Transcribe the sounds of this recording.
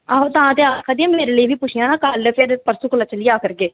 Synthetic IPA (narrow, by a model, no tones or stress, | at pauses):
aːɦoːt̪ãːt̪eaːkʰaːd̪iãːmeːɾeːləiːbiːpʊt͡ʃʰɪjãːnaːkəlpʰɪɾpəɾsuklət͡ʃəlɪjaːkəɾɡeː